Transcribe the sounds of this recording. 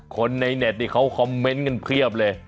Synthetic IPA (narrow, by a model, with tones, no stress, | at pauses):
kʰo˧nːa˧jne˨˩t̪̚niː˧˩kʰa˦˥wkʰɔ˧˦mːe˦˥nka˧npʰɾi˥˩əp̚lɤː˧j